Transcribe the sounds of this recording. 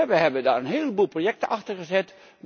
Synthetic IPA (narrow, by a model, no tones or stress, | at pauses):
ʋəɦɛbəndaːɹənɦɪːlˠəbulˠprojɛk̚təʔɑχtərχəzɛt